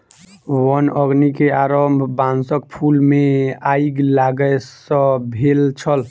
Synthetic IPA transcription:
wənəɡnikeaɾəmbʱbãnsək̚pʰulmeaiɡlaɡəesə̃bʱelt͡ʃʰəl

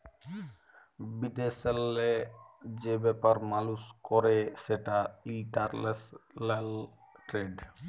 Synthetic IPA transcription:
bid̪eselːed͡ʑebɛpaɾmaluskɔɾeʃeʈaiʈaɾleslɛl | ʈɾeɖ

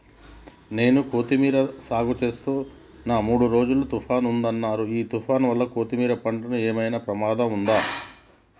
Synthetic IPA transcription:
ne̞ːnukoːt̪imiːɾɐsaːɡut͡ʃe̞ːst̪uː | naːmuːɽuɾo̞ːd͡ʒulut̪upʰaːnund̪ɐnːaːɾuiːt̪upʰaːnʋɐlːɐkoːt̪imiːɾɐpɐɳɖɐnueːmɐjnɐpɾɐmaːd̪ɐmund̪aː

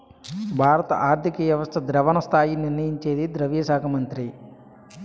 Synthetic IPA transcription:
bʱaːɾɐt̪ɐʔaːɾt̪ʰikɐʋjɐʋɐst̪ʰɐd̪ɾɐʋɐnɐst̪ʰaːjiniɾnɐjiɲt͡ʃeːd̪id̪ɾɐʋijɐʃaːkʰɐmɐnt̪ɾi

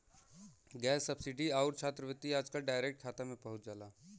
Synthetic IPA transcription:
ɡɛːsːɐbsɪɖiaʊɾt͡ʃʰaːt̪ɾəʋɪt̪ːiaːd͡ʒkaɖaːɪɾek̚ʈ̚kʰaːt̪amẽpɐɦʊt͡ʃd͡ʒaːlaː

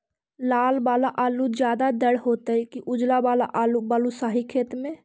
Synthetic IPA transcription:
laːlbaːlaʔaːlud͡ʒjaːd̪ad̪əɽɦoːt̪eɛkiʔʊd͡ʒlabaːla̰ʔaːlubaːlusaːɦikʰeːt̪mẽː

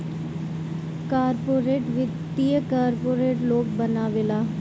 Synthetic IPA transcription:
kaːɾpoːɾeːʈʋɪijəkaːɾpoːɾeːʈloːk̚bənaːʋɪlaː

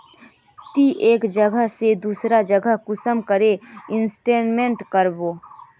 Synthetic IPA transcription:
t̪iʔeːkd͡ʒəɡəɦsed̪uːsɾad͡ʒəɡʱəɦkʊsəmkəɾeɪnsʈeːnmẽɳʈkəɾboː

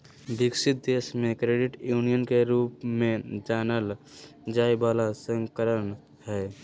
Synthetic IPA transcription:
bɪksɪt̪̚d̪eːsmẽkɾeːɖɪʈjuːnijənkeɾuːpmẽd͡ʒaːnəl | d͡ʒaːibaːlasə̃ŋkəɾən | hɛː

